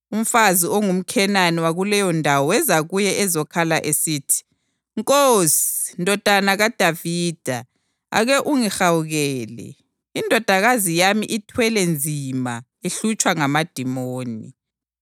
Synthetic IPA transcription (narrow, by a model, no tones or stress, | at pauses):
um̩fazioŋum̩kʰɛnaniwaɣulɛjɔndʱawɔwɛzaɣujɛɛzɔkʰalaʔesiːtʰi̥ | ŋkʼosi̥ndʱɔd̥ʱanaɣad̥ʱaviːd̥ʱa | a̰ɣɛʔuŋixawuɣɛːlɛ̰ | indʱɔd̥ʱaɣazijamḭʔitʰwɛlɛnd͡zʱima | eɬut͡ʃʼwaŋamad̥ʱimoːnḭ